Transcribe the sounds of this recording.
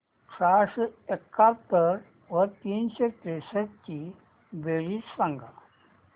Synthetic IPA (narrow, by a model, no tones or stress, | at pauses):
ʈɾasekːat̪ːəɾ | ʋəɾt̪iːnɕeʈesəɾt͡ɕi | beɭiːt͡ssãŋɡʱa